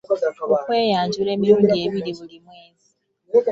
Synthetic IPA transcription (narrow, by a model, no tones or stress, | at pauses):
okweːjaːɲɟuɾeːmiɾoɡeːβiɾiβulimweːzi